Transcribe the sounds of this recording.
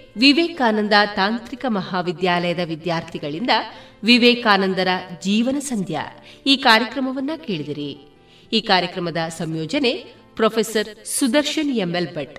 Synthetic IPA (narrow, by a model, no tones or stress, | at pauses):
ʋiʋɛːkaːnɐnd̪ɐt̪aːnt̪ɾikɐmɐɦaːʋid̪jaːlɐjɐd̪ɐʋid̪jaːɾt̪ʰiɡɐɭind̪ɐʋiʋɛːkaːnɐnd̪ɐɾɐd͡ʒiːʋɐnɐsɐnd̪ʱja̰iːkaːɾjɐkɾɐmɐʋɐnːɐkeːɭid̪ɐɾi | iːkaːɾjɐkɾɐmɐd̪ɐsɐmjoːd͡ʒɐne̞ | pɾoːpʰesɐɾsud̪ɐɾʃɐnemːelbɐʈ